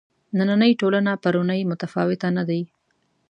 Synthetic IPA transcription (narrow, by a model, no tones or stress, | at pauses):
nananəjʈolanapaɾʊnəjmʊt̪afɑwɪt̪anad̪aj